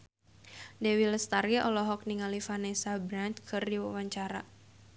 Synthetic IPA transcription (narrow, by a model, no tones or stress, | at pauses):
dɛwiləst̪aɾiɔlɔɦɔk̚niŋalifanɛsabɾant̪kʰɨrdiwa̰waɲt͡ʃaɾa